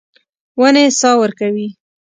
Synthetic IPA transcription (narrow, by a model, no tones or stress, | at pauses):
wənesɑwəɾkawi